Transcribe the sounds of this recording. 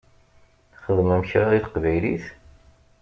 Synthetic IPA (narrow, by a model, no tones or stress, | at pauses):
χəðmæməçɾaðiθə̥qvæjliθ